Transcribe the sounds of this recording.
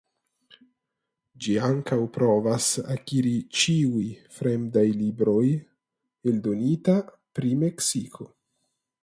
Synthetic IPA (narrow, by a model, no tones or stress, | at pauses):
d͡ʒiaŋkawpɾo̞vasa̰kiɾit͡ʃiujfɾe̞mdajlibɾo̞j | eldo̞nita | pɾime̞ksikʰo̞